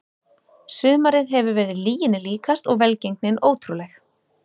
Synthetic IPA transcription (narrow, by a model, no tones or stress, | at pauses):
sʏːmaɾɪðɦɛvʏɾvɛɾɪðɪliːjɪnɪliːkast̪ɔɣvɛlcejŋknɪnʔoːwt̪ʰɾulɛx